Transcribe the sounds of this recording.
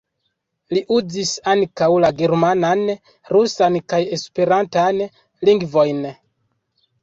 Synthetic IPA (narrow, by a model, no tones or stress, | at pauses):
liʔud͡zisaŋkawlaɡe̞ɾmanan | ɾusankaje̞spe̞ɾantan | liŋɡvo̞jn